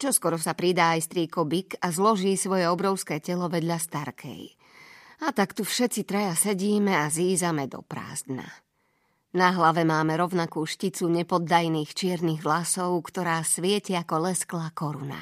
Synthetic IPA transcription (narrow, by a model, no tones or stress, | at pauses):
t͡ʃɔskɔɾɔsapɾid̪aːajst̪ɾiːkɔbikazlɔʒiːsʋɔjɛɔbɾɔʊskɛːcɛlɔʋɛd̪ʎast̪aɾkʰɛ̰j | at̪akt̪ufʃɛtt͡sit̪ɾajasɛɟiːmɛaziːzamɛd̪ɔ̰pɾa̰ːzd̪na̰ | naɦlaʋɛmaːmɛɾɔʊnakuːʃcit͡suɲɛpɔd̪ːajniːxt͡ʃɪɛɾniːɣʋlasɔʊkt̪ɔɾaːsʋɪɛcɛakɔlɛsklaːkɔɾuna̰